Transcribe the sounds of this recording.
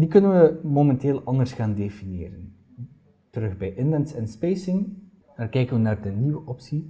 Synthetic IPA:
dikɵnənʋəmomɛnteːlˠɑndərsxaːndefinjeːɾən | təɾɵxbɛjʔɪnlɛnsɛnspejsɪŋ | aːrkɛjkənʋənaːrdəniʋəʔɔpsi

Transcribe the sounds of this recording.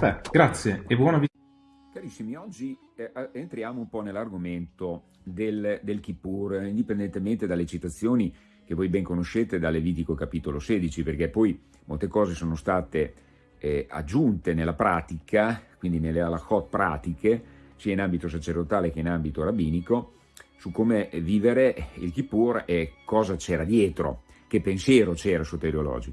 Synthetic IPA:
ɛɡɾat̪sːjeebwɔːnavi | kaɾisːimiɔd͡ʒːi | ent̪ɾjaːmoumpɔnelːarɡoment̪o | d̪eld̪elkipːurind̪ipend̪ent̪ement̪ed̪alːet͡ʃit̪at̪sːjoːni | k̟evojbɛŋkonoʃeːt̪ed̪alːeviːt̪̬ikokapit̪oloseːd̪it͡ʃiperkepːɔj | molt̪ekɔːzesoːnost̪aːt̪e | a̰d͡ʒːunt̪enelːapɾaːt̪ikʰakwind̪inelːealaxɔt̪̚pːɾa̰ːt̪ike | siːainambit̪os̬at͡ʃerd̪ot̪aːlekeinambit̪oɾabiːniko | sukːomeviːveɾeḭlk̟ipurɛkɔːzat͡ʃɛːɾad̪jɛːt̪ɾo̰ | kepːensjɛːɾot͡ʃɛːɾasuot̪eɾiolɔ̰ːd͡ʒiko

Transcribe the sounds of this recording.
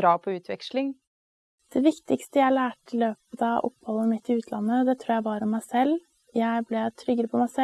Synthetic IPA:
ɾɑːpʰɔʉːt̪ʰʋɛkʃlɪŋ | d̪̥ɛʋɪkt̪ɪkst̪əjæɪæɭæːʈʰɪlːøːpəd̪ɑʔɔ̰pːhɔlːəmɪt̪ːɪʉːt̪ʰlɑnːəd̪ɛt̪ʰɾuːjæɪbɑɾɔmːæɪsɛlː | jæɪblɛt̪ʰɾʏɡːəɾəpʰɔmæɪsɛ

